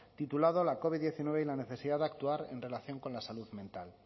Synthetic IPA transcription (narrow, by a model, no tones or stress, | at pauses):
t̪it̪ulað̞o̞lako̞βiðːje̞θinwe̞β̞e̞ilane̞θe̞siðaðakt̪uaɾḛnre̞laθjo̞ŋko̞nlasaluðmẽnt̪al